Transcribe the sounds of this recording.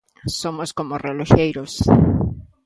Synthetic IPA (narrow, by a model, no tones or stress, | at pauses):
somoskomoreloxejɾos